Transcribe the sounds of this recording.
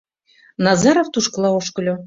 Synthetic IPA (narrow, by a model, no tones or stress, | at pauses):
nɑzɑɾoft̪uʃkɤ̆lˠɑoʃkɤ̆lʲo